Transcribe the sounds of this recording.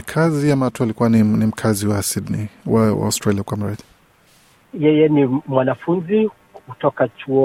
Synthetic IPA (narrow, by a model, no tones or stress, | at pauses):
kʰaziamaatualikuaninim̩kʰaziwasidniwawa̰ɔstɾaliakwam̩ɾaði | jɛjɛnimwanafunzi | kutɔkat͡ʃuɔ